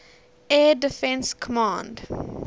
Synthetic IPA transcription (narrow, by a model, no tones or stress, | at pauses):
ɛːdəfɛ̃nskʰɔmɑ̃ːnd